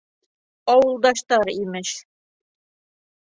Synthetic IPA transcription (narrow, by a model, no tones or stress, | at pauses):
ɑwɤ̆lˠd̪ɑʃt̪ɑɾimɘʃ